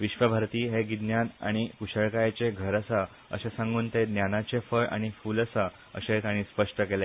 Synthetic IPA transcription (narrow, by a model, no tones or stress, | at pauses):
ʋiɕʋəbʱaɾt̪iːɦeɡid̪njana̰ɽ̃ikuɕəɭkajat͡ɕeɡʱəɾəsa | ə̰ɕesãŋɡuːnt̪ed̪njanat͡ɕefəɭa̰ɽ̃ifuːləsa | ə̰ɕet̪aɽ̃ispəʂʈəkele